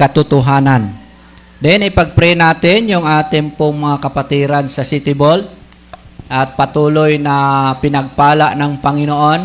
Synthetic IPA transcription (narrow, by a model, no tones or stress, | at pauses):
kɐt̪ʊt̪ʊɦaːnan | d̪ɛnɪpɐɡ̚pɾɛnaːt̪ɪnjʊŋʔaːt̪ɪŋpʊŋmɐŋakɐpat̪iːɾansɐsit̪ɪbold̪̚ | ʔɐt̪̚pɐt̪uːlojnɐpɪnɐɡ̚paːlaʔnɐŋpɐŋɪnoʔo̞n